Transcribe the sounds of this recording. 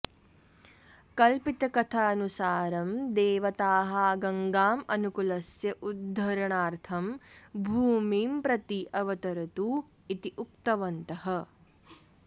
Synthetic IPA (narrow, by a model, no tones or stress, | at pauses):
kɐlpit̪ɐkɐt̪ʰaɐnusaːɾɐmd̪eːʋɐt̪aːɦaːɡɐŋɡaːmɐnukulɐsjɐʔud̪ʱːɐɾɐɳaːɾt̪ʰɐmbʱuːmiːmpɾɐt̪iʔɐʋɐt̪ɐɾɐt̪u | it̪iʔuk̚t̪ɐʋɐnt̪ɐɦɐ